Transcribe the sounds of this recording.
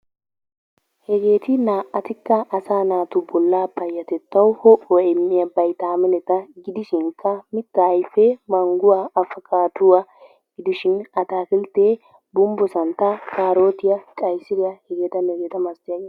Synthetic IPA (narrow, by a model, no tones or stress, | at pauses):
hɛɡe̞ːt̪ɪnaːʔːɐt̪ɪkːɐʔːsaːnaːt̪ʊbɔlːaːpːɐjːɐt̪ɛt̪ːɐwhɔʔɔɛmːɪjɐbɐjt̪aːmɛnɛt̪ɐɡɪd̪ɪʃɪŋkʰːɐmɪt̪ːɐɐjfːɛmɐŋɡʊwaɐfɐkaːt̪ʊwɐ | ɡ̥ɪd̪ɪʃɪnɐt̪aːkɪlt̪eː | bʊmbɔsɐnt̪ːɐkaːɾo̞ːt̪ɪjɐkʼɐjsɪɾɪjɐhɛɡeːt̪ɐnɛɡeːt̪ɐmɐst̪ɪjɐɡeː